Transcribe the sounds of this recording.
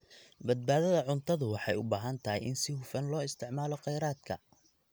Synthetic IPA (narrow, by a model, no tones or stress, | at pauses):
bɐd̪̚baːðɐðɐʕʊnt̪ʰɐðʊwɑħɑjʊbaːɦɐnt̪ʰɐɦɪ̰jʔɪnsɪhʊfɐnlɔːɪst̪ʰɪʕmaːlɔqɛjɾaːd̪kʰɐ